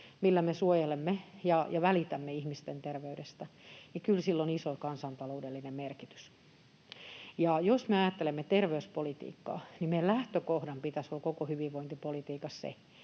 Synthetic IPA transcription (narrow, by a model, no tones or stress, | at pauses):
milːæmesuojelemːejɑjɑʋælit̪æmːeihmist̪ent̪erʋeydest̪ænikylsilːonisokɑnsɑnt̪ɑloudelːinemmerkit̪y̥s | jɑjosmeɑjɑt̪ːelemːet̪erʋeyspolit̪ḭːkːɑ̰ːnimmeillæht̪økohdɑmpit̪æsolːkokohyʋiʋʋoint̪ipolit̪iːkɑssḛ